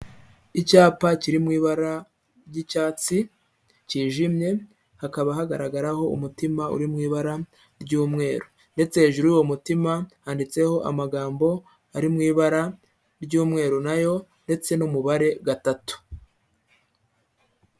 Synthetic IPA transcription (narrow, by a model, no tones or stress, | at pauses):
icaːpaciɾimŋiːβaɾa | ɾɟicaːt͡si | ciːʒimɲe̞ | hakaβaɦaɡaɾaɡaɾaho̞ṵmutimaṵɾimŋiːβaɾa | ɾɟuːmŋe̞ːɾo | nde̞t͡se̞he̞ːʒuɾuuwo̞mutimahaːndit͡se̞ho̞ʔa̰maɡaːmbo̞ | aɾimŋiːβaɾa | ɾɟuːmŋe̞ːɾonajo̞nde̞t͡se̞numuβaɾe̞ɡatatu̥